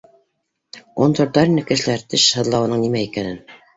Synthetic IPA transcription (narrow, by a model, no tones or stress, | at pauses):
ont̪oɾd̪ɑɾinːɘkɘ̆ʃɘ̆læɾt̪ɘʃhɤ̆ðlˠɑwɤ̆nɤɴnimæikænɘn